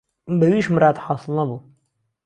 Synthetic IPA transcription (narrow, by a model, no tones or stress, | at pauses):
bæwiːʃmɾˤɑːt̪ħɑːsˤɨlˠnabu